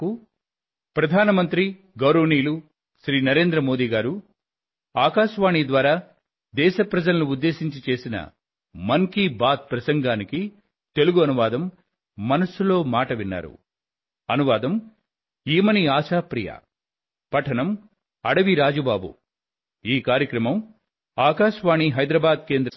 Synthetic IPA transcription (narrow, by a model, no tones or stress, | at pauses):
u | pɾɐd̪ʱaːnɐmɐnt̪ɾi | ɡɐwɾɐʋniːlu | ʃɾiːnɐɾe̞ːnd̪ɾɐmo̞ːd̪iːɡaːɾu | aːkaːʃʋaːɳiːd̪ʋaːɾaː | d̪ɛːʃɐpɾɐd͡ʒɐlɐnuud̪ːe̞ːʃiɲt͡ʃit͡ʃe̞ːsinɐ̰ | mɐŋkibaːt̪̚pɾɐsɐŋɡaːniki | t̪e̞luɡuɐnuʋaːd̪ɐmː | ɐnɐsulo̞ːmaːʈɐʋinːa̰ːɾṵ | ɐnuʋaːd̪ɐm | iːmɐniaːʃaːpɾija̰ | pɐʈʰɐnɐm | ɐ̰ɽɐʋiɾaːd͡ʒubaːbṵ | iːkaːɾjɐkɾɐmɐm | aːkaːʃʋaːɳiɦɐjd̪ɾɐbaːd̪ke̞ːnd̪ɾɐ